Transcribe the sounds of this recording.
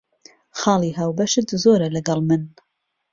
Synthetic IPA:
xɑːlˠiːɦaːwbɐʃɨt̪zoːɾɐlɐɡɑlˠmɨn

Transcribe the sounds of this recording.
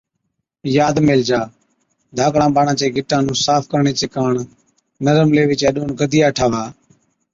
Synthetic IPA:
jaːd̪meːld͡ʒaː | d̪ʱaːkɽãːɓaːɳãːt͡ʃeːɡɪʈːãːnũːsaːfʰkəɾɳeːt͡ʃeːkaːɳ | nəɾəmleːʋɪt͡ʃeːɗoːnɡəd̪ʱɪjaːʈʰaːʋaː

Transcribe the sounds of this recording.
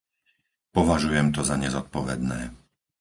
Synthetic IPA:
pɔʋaʒujɛmt̪ɔzaɲɛzɔt̪̚pɔʋɛd̪nɛ̰ː

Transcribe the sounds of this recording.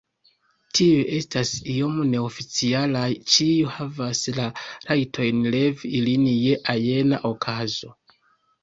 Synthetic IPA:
tʰiuʔe̞stasio̞mune̞o̞fit͡sialajt͡ʃiuhavaslaɾajtʰo̞jnle̞viilinje̞ʔaje̞naʔo̞kʰazo̞

